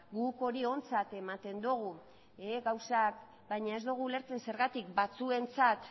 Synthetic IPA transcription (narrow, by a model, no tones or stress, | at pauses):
ɡuko̞ɾio̞nt͡sat̪e̞mat̪e̞nd̪uɣ̞u | eɡawsak | bajɲae̞zd̪uɣ̞ule̞ɾt͡se̞nse̞ɾɣat̪ikbat͡sue̞nt͡sat̪